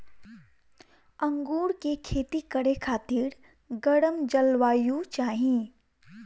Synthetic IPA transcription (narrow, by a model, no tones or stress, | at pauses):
ɐ̃ŋɡuːɾkekʰeːt̪ikəɽekʰaːt̪iːɾ | ɡəɽəmd͡ʒəlʋaːjut͡ʃaːɦĩ